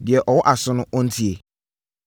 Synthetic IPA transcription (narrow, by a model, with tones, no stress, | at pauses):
dɪ˨ɛ˨ʔɔ˨wɔ˦ʔa˨sʊ˦nʊ̃˦ʔɔ˦n̩˦tʰi˦e˨